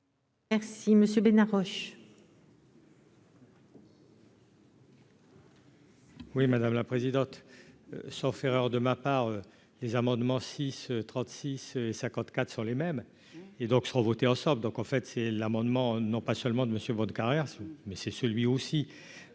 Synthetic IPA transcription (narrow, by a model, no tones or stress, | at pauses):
ɛʁsiməsjøbenaʁɔʃ | wimad̪amlapχezid̪ɑ̃t̪ | sɔ̃feʁœʁd̪əmapaːʁø | lezamɑ̃d̪mɑ̃sisøt̪χɑ̃t̪sisesɛ̃kɑ̃t̪kat̪χsɔ̃lemɛm | ed̪ɔ̃ksəʁɔ̃vɔt̪eɑ̃sɑ̃bld̪ɔ̃kɑ̃fɛt̪sɛlamɑ̃d̪mɑ̃nɔ̃pasœlmɑ̃d̪əməsjøbɔ̃d̪kaʁjɛʁsmɛsɛsəlɥiosi